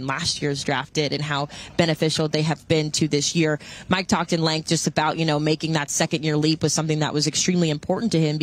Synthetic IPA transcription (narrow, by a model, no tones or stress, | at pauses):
nlæst̚jɪɹzdɹæftɪɾɨ̃nɦaʊb̥ɛñɨfɪʃl̩ˠðeɪɨvbɪ̃ntʰɨðɪsjɪɹmaɪk̚tʰɔk̚tɨ̃nlɛ̃ŋk̚d̥ʒ̥ʌstɨbaʊʔjʔɨnoʊmeɪkɪ̃ŋðɨtsɛkɨ̃ndjɪɹlipwʌð̥sʌ̃mθɪ̃ŋðə̰ʔwʔʌzɨkstɹ̥ĩmliɨ̃mpʰɔɹʔn̩tʰɨɪ̃m